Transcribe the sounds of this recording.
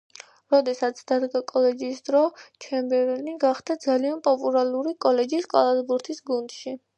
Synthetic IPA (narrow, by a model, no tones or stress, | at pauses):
ɾɔd̪ɛsat̪sʰd̪̥ad̪ɡakʼɔlɛd͡ʒiːsd̪̥ɾɔt͡ʃʰɛmbɛɾɛniɡaχd̪ad̪zalianpʼɔpʼulˠaluɾikʼɔlɛd͡ʒiːskʼalˠazbuɾt̪ʰisɡund̪̥ʃi